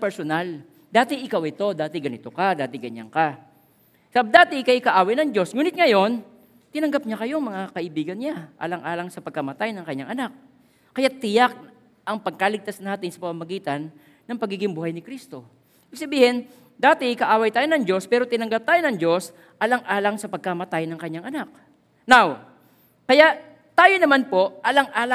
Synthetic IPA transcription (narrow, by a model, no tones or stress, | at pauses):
pɛɾsonal | d̪aːt̪ɪʔɪkawɪt̪o̞d̪aːt̪ɪɡɐnɪt̪okad̪aːt̪ɪɡɐɲːa̰ŋka | sɐab̚d̪aːt̪ɪkɐʔɪkɐʔaːwɐjnɐŋd͡ʒo̞sŋuːnɪt̪̚ŋɐjo̞n | t̪ɪnɐŋɡap̚ɲakɐjo̞ŋmɐŋakɐʔɪbiːɡɐnɲaʔa̰ːlɐŋʔaːlɐŋsɐpɐɡ̚kɐmɐt̪ajnɐŋkɐɲːaŋʔɐnak̚ː | ɐjat̪ːɪjak̚ | ʔɐŋpɐɡ̚kaːlɪɡ̚t̪asnaːt̪ɪnsɐ̥pɐmamɐɡiːt̪ɐnː | ɐŋpɐɡiːɡɪŋbuhajnɪkɾist̪o̞ | ibɪɡ̚sɐbiːhɪn | d̪aːt̪ɪʔɪkɐʔaːwɐjt̪aːjonɐŋd͡ʒo̞spɛːɾo̞t̪ɪnɐŋɡap̚t̪aːjonɐŋd͡ʒo̞s | ʔɐlɐŋʔaːlɐŋsɐpɐɡ̚kɐmɐt̪ajnɐŋkɐɲːaŋʔɐnak̚ | naw | kɐjaʔ | t̪aːjo̞nɐmanpo̞ʔʔɐlɐŋʔaːlɐ